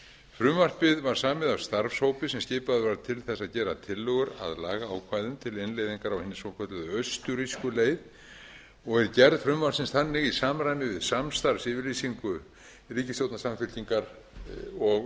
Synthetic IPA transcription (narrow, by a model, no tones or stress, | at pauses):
fɾʏmvar̥pɪðvaɾ̥saːmɪðavst̪aɾfshowpɪsɛmscɪːpaðɪvajɾt̪ʰɪlθɛsaðcɛːɾat̪ʰɪlːʏɣʏɾa̰ðlaːɣaaːwkʰvaːjðʏmt̪ʰɪlɪnlejðiŋkaɾawhɪnːɪsowkʰœt̪lʏðʏœɥst̪ʏɾiskʏleːjð | ɔɣɛɾcɛɾðfɾʏmvar̥sɪnsθanːɪɣisaːmɾajnɪvɪðsamst̪aɾvsɪvɪɾliːsiŋkʏ | riːcɪstjowt̪nasamfʏl̥c̪iŋkaɾ | ɔɣ